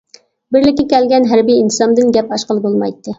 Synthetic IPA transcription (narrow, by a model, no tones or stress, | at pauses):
bɪɾlɪkʲːɪkʲɛlɡʲɛnɦæɾbijint̪ɨsɑmd̪ɨnɡʲɛpɑʃqəlˠɨbolˠmɑjt̪ːɨ